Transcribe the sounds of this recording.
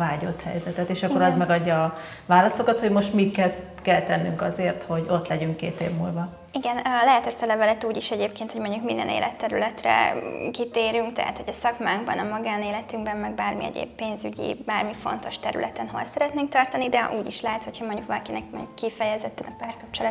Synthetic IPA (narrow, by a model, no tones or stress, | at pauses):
vaːɟo̞t̪hɛ̰jzɛt̪ɛt̪eːʃɒkːoɾɒzmɛɡɒɟːɒː | vaːlɒsokɒt̪ho̞ɟmo̞ʃt̪mit̪kɛl | kɛlt̪ɛnːyŋkɒzeːrt̪ho̞ɟo̞t̪lɛɟyŋkkeːt̪eːvmṵlbɒ | iɡɛnlɛɦɛt̪ɛst̪ɒlɛvɛlɛt̪uːɟiʃɛɟeːpkeːnt̪ho̞ɟmo̞ɲɟukmind̪ɛ̰nḛːlɛt̪ːɛɾylɛt̪rɛ̰kit̪eːɾyŋkt̪ɛ̰ɦa̰t̪ho̞ɟɒsɒkmaːŋɡbɒ̰nɒmɒɡaːneːlɛt̪yŋɡbɛmmɛɡ̚baːrmiɛ̰ɟḛːbpeːnzyɟḭbaːrmifo̞̰nt̪o̞ʃt̪ɛɾy̰lʔɛt̪ɛnɦo̰lsɛɾɛt̪neːŋk̚t̪ɒrt̪ɒnid̪ɛʔuːɟiʃlɛɦɛt̪ho̞chɒmoɲɟukɒlɒkinɛkmo̰ɲɟukːifɛjɛzɛt̪ːɛnɒpaːrkɒp̚t͡ʃɛlɛt̪